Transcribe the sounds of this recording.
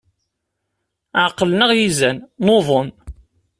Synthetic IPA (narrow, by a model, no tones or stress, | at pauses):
ʕəqːəlnəʁjizænnoðˤon